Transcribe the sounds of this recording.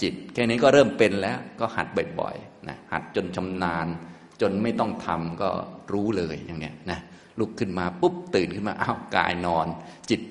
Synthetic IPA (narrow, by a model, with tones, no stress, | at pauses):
t͡ɕi˨˩t̪̚kʰɛː˥˩niː˦˥kɔː˥˩ɾɤː˥˩mpe˧nlɛː˦˥wkɔː˥˩ha̰˨˩t̪̚bɔ˨˩jbɔ̰˨˩jna̰˦˥ha̰˨˩t̪̚t͡ɕo˧nt͡ɕʰa˧mnaː˧n | t͡ɕo˧nma˥˩jt̪ɔ˥˩ŋt̪ʰa˧mkɔ̰ː˥˩ɾuː˦˥lɤː˧jja˨˩ŋnːi˦˥əna˦˥ | lu˦˥˩kʰːɯ˥˩nmaː˧pu˦˥˩p̚t̪ɯː˨˩nkʰɯ˥˩nma̰ː˧ʔaː˥˩wka̰ː˧jnɔː˧nt͡ɕi˨˩t̪̚